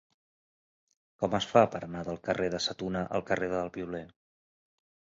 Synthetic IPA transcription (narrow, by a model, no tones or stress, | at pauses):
kɔməsfapəɾənaðəlˠkəreðəsət̪unəʔə̰lˠkəreðəəlˠβiulen